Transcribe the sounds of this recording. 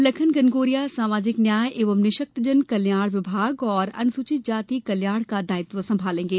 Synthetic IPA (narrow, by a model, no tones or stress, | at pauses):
lɐkʰənɡɐnɡoːɾijasaːmaːd͡ʒɪknjaːjʔeːʋəmnɪʃək̚t̪d͡ʒənkɐljaːɽʋɪbʱaːɡɔːɾɐ̰nsuːt͡ʃɪt̪̚d͡ʒaːt̪ikɐljaːɽkad̪aːɪt̪ʋəsɐ̃mbʱaːlẽːŋɡeː